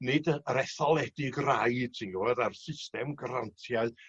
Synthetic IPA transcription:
nɨdəəɾɛθɔlˠɛdɪɡraɨd̥̚tʰinɡuwɛɾarsɪstɛmɡaɾantʰjaɨ

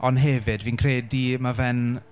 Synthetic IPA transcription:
ɔnɦɛvɨdviːnkʰreːdimavɛn

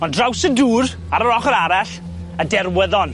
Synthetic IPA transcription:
ɔndrawsəduːɾ | aɾəɾɔχəɾaɾaɬ | ədɛrwəðɔn

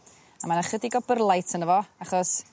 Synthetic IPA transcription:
amanaχədiɡɔbərlˠajtʰənəvɔaχɔs

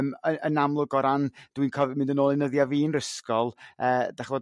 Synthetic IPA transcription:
məənamlˠʊɡɔɾand̥winkʰɔvmɪ̃ndənoːlˠɪnəðjaviːnrəskɔlˠəːd̥aχvoː

